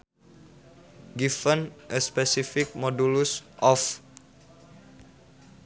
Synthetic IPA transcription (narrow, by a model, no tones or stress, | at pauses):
ɡifənʔəspɛsifɪk̚mɔdulusʔɔf